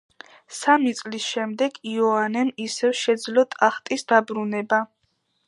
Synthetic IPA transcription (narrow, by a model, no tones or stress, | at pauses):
samit̪sʼlisʃɛmd̪ɛɡiɔanɛnisɛvʃɛd̪zlɔt̪ʼaχt̪ʼisd̪abɾunɛba